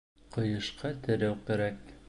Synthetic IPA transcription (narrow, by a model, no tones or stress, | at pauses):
qɤ̆jɤ̆ʃqʰɑt̪ɘ̆ɾæwkæɾæk̚